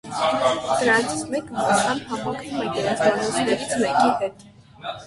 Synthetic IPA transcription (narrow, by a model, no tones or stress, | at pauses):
d̪̥əɾɑnt͡sʰi̥t͡sʰmɛkəvɔt͡ʃʰɑnhɑmɑkʰnumɛd̪əɾɛnt͡sʰɑnɔt͡sʰnɛɾit͡sʰmɛkihɛt̪